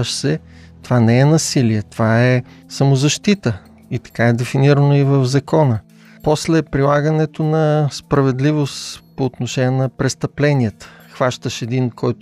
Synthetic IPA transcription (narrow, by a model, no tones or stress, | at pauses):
əʃsɛ | t̪ovanɛɛnɐsiliɛt̪ovaɛsɐmozɐʃt̪it̪ə | it̪ɐ̥kaɛd̪ɛfiniɾənoivəvzɐkɔnə | pɔslɛpɾilˠaɡənɛt̪onɐspɾɐvɛd̪livost̪poːt̪noʃɛnʲɛnɐpɾɛst̪ɐplɛniət̪ə̥ | xvaʃt̪əʃɛd̪inkɔjt̪